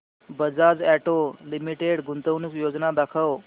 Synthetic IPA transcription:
bəd͡zad͡zæʈolimiʈeɽɡʱunt̪əʋnukjod͡znad̪akʰəw

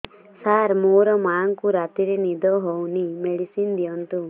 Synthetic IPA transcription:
saɾmoɾɔmaːŋkuɾat̪iɾenid̪ɔɦownimeɽisind̪ijɔnt̪u

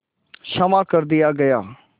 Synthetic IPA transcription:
ʃəmaːkəɾd̪ɪjaːɡɐjaː

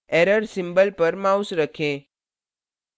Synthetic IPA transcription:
eɾəɾsĩmbəlpəɾmausɾəkʰẽ

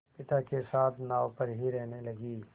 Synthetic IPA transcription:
pɪt̪akesaːt̪ʰnaːwpɐɾɦiɾɛɦnelɐɡiː

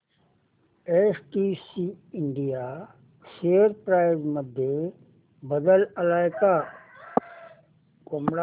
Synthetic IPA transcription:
esʈiːsiɪɳɖija | seːəɾpɾaːɪzməd̪ʱje | bəd̪ələlaːɪka | kʊmɽa

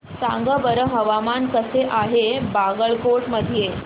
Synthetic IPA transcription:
sa̰ŋɡəbəɾəɦəʋamankəseʔaɦebaɡəɭkoʈməd̪ʱije

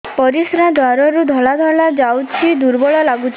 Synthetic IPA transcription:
pɔɾisɾad̪ʱwaɾɔɾud̪ʱɔɭad̪ʱɔɭad͡ʒawt͡ʃʰid̪uɾbɔɭɔlaɡut͡ʃʰ

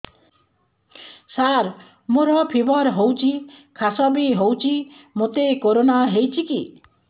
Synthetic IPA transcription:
saɾ | moɾɔpʰibɔɾɦowt͡ʃʰikʰasɔbiɦowt͡ʃʰimot̪ekoɾonaɦejt͡ʃʰiki

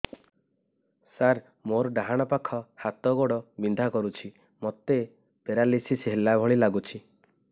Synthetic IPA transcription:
saɾ | moɾɔɖaɦaɽ̃ɔpakʰɔhat̪ɔɡoɽɔbind̪ʱakɔɾut͡ʃʰi | mɔt̪e | peɾalisisɦelabʱɔɭ̃ilaɡut͡ʃʰi

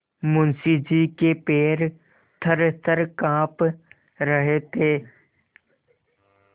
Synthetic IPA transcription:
mʊnsid͡ʒiːkepeːɾ | t̪ʰəɾt̪ʰəɾkãːp | ɾəɦet̪ʰeː

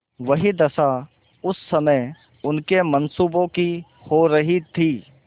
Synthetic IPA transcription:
ʋɐɦid̪ɐsa | ʊsːɐmə | ʊnkemɐnsuːbõki | hoɾɐɦit̪ʰiː

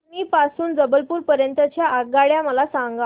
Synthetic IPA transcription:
miːpasuːnd͡zəbəlpuːɾpəɾjənt̪ət͡ɕjaʔaɡaɭjaməlasaŋɡa

